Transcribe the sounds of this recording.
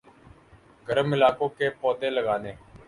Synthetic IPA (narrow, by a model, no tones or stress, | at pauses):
ɡəɾəmɪlaːkõːkeːpɔːd̪ẽːləɡaːneː